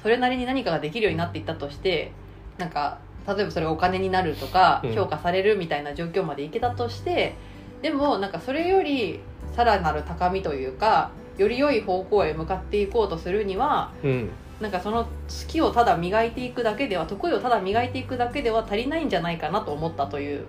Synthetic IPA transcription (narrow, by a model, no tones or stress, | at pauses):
so̞ɾe̞naɾʲiɲ̟inaɲ̟ikaɡad̪e̞kʲiɾɯjo̞ːɲ̟inat̪ːe̞it̪ːat̪o̞ɕi̥t̪e̞ | nãŋka | t̪at̪o̞e̞baso̞ɾe̞aokane̞ɲ̟inaɾɯ̟t̪o̞kaçʲo̞ːkasaɾe̞ɾɯ̟mʲit̪ainad͡ʑo̞ːkʲo̞ːmad̪e̞ike̞t̪at̪o̞ɕi̥t̪e̞ | d̪e̞mo̞nãŋkaso̞ɾe̞jo̞ɾʲi | saɾanaɾɯ̟t̪akamʲit̪o̞jɯ̟ːka | jo̞ɾʲijo̞iho̞ːko̞ːomɯ̟kat̪ːe̞iko̞ːt̪o̞sɨɾɯ̟ɲ̟iβa | nãŋkaso̞no̞t͡sɨ̥kʲio̞t̪ad̪amʲiɡait̪e̞ikɯ̟d̪ake̞d̪e̞β̞at̪o̞kɯ̟io̞t̪ad̪amʲiɡait̪e̞ikɯ̟d̪ake̞d̪e̞βat̪aɾʲinaĩɲ̟d͡ʑanaikanat̪o̞ːmo̞t̪ːat̪o̞jɯ̟ː